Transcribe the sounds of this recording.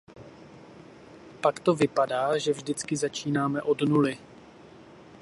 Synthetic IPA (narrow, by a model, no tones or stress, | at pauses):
pakt̪ovɪpadaːʒɛvʒdɪt͡skɪzat͡ʃiːnaːmɛʔo̞dnulɪ